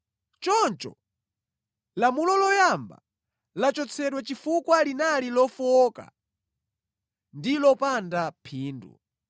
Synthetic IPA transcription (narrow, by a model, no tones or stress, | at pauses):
t͡ʃɔnt͡ʃɔ̰ | lamulɔlɔjamba̰ | lat͡ʃɔt͡sʰɛɗwɛt͡ʃifukwalinalilɔfuɔːka̰ | ndilɔpandapʰiːndṵ